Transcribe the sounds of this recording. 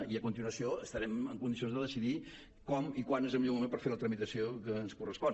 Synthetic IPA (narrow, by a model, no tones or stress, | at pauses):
iəkunt̪inuəsioəst̪əɾɛməŋkund̪is̬ionzðəðəsiði | kɔmikwanezəlmiʎomumempəɾfeɾlət̪ɾəmit̪əsiokəːnskurəspɔ